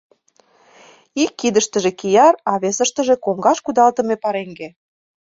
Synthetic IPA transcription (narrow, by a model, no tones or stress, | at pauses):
ikːid̪əʃt̪ə̆ʒĕkijɑɾɑβesə̆ʃt̪ə̆ʒĕkoŋɡɑʃkud̪ɑlt̪ə̆mepɑɾeŋɡe